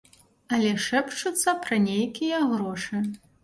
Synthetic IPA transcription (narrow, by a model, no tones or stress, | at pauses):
ɐlʲɛʂɛpt͡ʂut̪sːɐpɾɐnʲejkʲijɐɣɾɔʂɨ